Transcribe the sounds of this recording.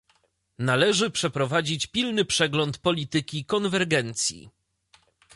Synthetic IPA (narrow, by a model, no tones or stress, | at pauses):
nalɛʐɘpʂɛpɾɔvad͡ʑit͡ɕpʲilnɘpʂɛɡlɔnt̪pɔlʲit̪ɘkʲikɔnvɛɾɡɛnt̪sʲjḭ